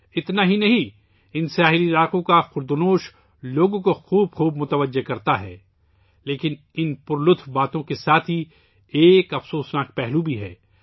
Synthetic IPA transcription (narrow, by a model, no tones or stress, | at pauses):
ɪt̪naɦinɐɦĩ | ɪnsjaːɦɪliɾaːqõkaxʊɾd̪ʊnoːʃ | loːɡõkoxuːb̚xuːbmʊt̪əʋəd͡ʒːekɐɾt̪aɦɛ̰ː | leːkɪn | ɪnpʊɾlʊt̪ʰwbaːt̪õkesaːt̪ʰɦi | eːkɐfsoːsnaːk̚pɛɦlubʱiɦɛ̰ː